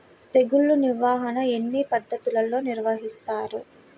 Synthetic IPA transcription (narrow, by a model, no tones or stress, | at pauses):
t̪e̞ɡuɭːuniʋaːɦɐnɐe̞nːipɐd̪ʱːɐt̪ulɐlo̞ːniɾʋɐɦist̪aːɾu